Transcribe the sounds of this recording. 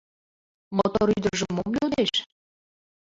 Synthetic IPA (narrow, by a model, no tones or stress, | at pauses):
mot̪ooɾyd̪ərʒəmːomlʲod̪eʃ